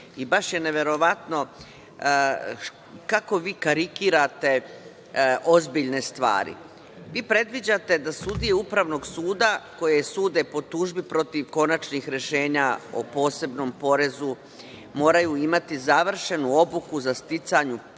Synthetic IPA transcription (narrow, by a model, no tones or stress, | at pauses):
ibaʃjene̞ʋe̞ɾo̞ʋat̪no̞ | kako̞ʋiːkaɾikiːɾat̪e̞ | ʔo̞zbiʎne̞st̪ʋa̰ːɾḭ | ʋiːpɾe̞d̪ʋid͡ʑat̪e̞d̪asud̪ijeupɾaʋno̞ɡsuːd̪ako̞jesuːd̪e̞po̞t̪uːʒbipɾo̞t̪iʋko̞nat͡ʃnixɾe̞ʃe̞ːɲao̰po̞ːse̞bno̞mpo̞ɾe̞zu | mo̞ːɾajuimat̪izaʋr̩ʃe̞nuo̞bukuzast̪it̪saɲu